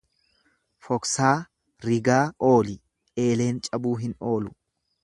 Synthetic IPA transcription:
fɔksaː | ɾɪɡaːʔo̞ːlɪ | e̞ːle̞ːnt͡ʃʼɐbuːɦɪno̞ːlʊ

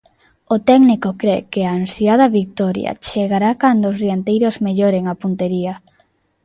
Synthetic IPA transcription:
ʊt̪ɛɡnikokɾekɪaːnsiaðɐβik̚t̪ɔɾja̰t͡ʃeɣaɾakand̪oːzðjant̪ejɾozmeʎɔɾeŋapunt̪eɾiɐ

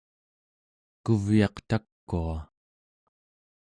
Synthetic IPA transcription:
kuvjɑqt̪akːua

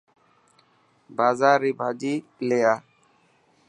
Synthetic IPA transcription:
bazaɾibʱad͡ʒilɛja

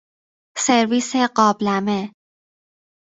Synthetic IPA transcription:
se̞ɾviːseɢɒːblæme

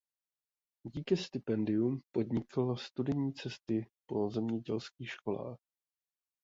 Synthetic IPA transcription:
ɟiːkɪst̪ɪpɛndɪumpo̞dɲɪklast̪udɪɲiːt͡sɛst̪ɪpo̞zɛmɲɛɟɛlskiːxʃko̞la̰ːx

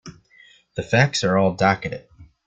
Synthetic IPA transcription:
ðɨfæksə˞ɔlˠdɑkɨɾɨ̰t̚

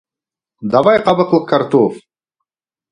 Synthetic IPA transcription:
d̪ɑvɑjqɑbəqlˠəq̚kaɾt̪of

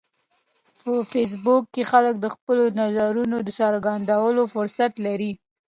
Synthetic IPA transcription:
pəfes̬bʊkːexalək̚d̪əxpəlonazaɾunod̪əsɑɾɡand̪awəlofʊɾsat̪laɾi

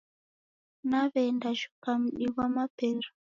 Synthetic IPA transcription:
naβɛndaʒu̥kam̩ɗiβamapɛru

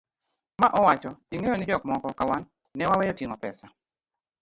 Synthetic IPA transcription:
maʔɔwat͡ʃɔiŋejonɪd͡ʒɔkmɔkɔkawanː | ɛwawɛjotiŋɔpɛ̰sa

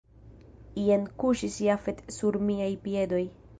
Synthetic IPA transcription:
ienkuʃisjafetsuɾmiajpie̞do̞j

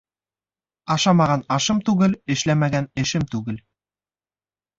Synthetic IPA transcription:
ɑʃɑmɑʁɑnɑʃɤmt̪ʉɡɘlɘ̆ʃlæmæɡænɘ̆ʃɘmt̪ʉɡɘl

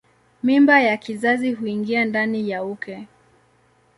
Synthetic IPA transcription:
mimbajakizaziɦuiŋɡiandanijaukɛ

